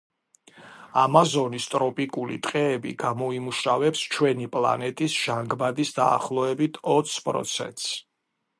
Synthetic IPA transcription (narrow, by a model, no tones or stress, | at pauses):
amazɔnist̪ʼɾɔpʼikʼulḭt̪ʼqʼɛːbḭɡ̥amɔimuʃavɛpst͡ʃʰwɛnipʼlˠa̰nɛt̪ʼisʒ̥aŋɡbad̪isd̪a̰ːχlˠɔɛbit̪ʰɔt̪sʰpʼɾɔ̰t̪sʰɛ̰nt̪ʼs